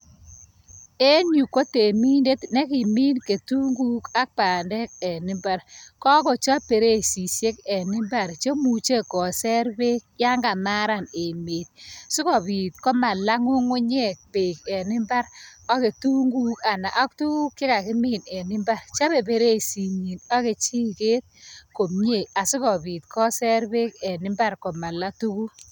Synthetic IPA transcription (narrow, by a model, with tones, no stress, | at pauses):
e˦ɲu˨ko˦te˨mi˦nde˦tne˦kɪ˨mi˦nke˨tu˦ŋɡu˦ka˦k̚pa˨ndɛ˦kɛ˨nɪ˦mba˦ɾkɔ˦kɔ˨t͡ʃa˦pe˨ɾe˦si˨sje˦kɛ˨nɪ˦mba˨ɾt͡ʃo˦mu˨t͡ʃe˦kɔ˨sɛ˦ɾbe˦kja˦ŋɡa˨ma˦ɾa˨ne˨me˨t̚su˦kɔ˨piː˨t̚kɔ˦ma˨la˦ŋʊ˦ŋʊ˦ɲe˦˨k̚pe˨kɛ˨nɪ˦mba˦ɾɔ˦ke˨tu˦ŋɡu˦ka˨na˨ʔɔ˦k̚tu˦ku˦kːɪ˦ka˨kɪ˦mi˦nɛ˨nɪ˦mba˦rt͡ʃa˦be˨pe˨ɾe˦˨si˨ɲi˨nɔ˦ke˨t͡ʃi˦ke˦t̚ko˨mɲe˦˨a˨su˦kɔ˨bi˨t̚kʰɔ˦sɛ˦ɾbe˦kɛ˨nɪ˦mba˦rkɔ˨ma˨la˦tu˦ku˦